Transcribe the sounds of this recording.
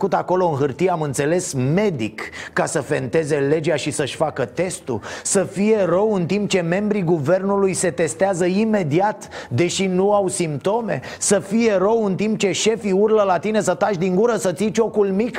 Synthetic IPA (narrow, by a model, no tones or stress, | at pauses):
kut̪ako̞lo̞ɨnɦɨrt̪ijeamɨnt̪se̞le̞sme̞d̪ikːasəfe̞̰nt̪e̞ze̞le̞d͡ʒeaʃisəʃʲfakət̪e̞st̪ṵsəfije̞ɾəwɨnt̪imp̚t͡ʃe̞me̞mbɾiɡuve̞rnulujse̞t̪e̞st̪eazəime̞d̪iat̪d̪e̞ʃinuawsimp̚t̪o̞me̞̰ | səfije̞ɾəwɨnt̪imp̚t͡ʃe̞ʃe̞fiurləlat̪ine̞sət̪aʃd̪iŋɡuɾəsət̪sit͡ʃo̞kulmik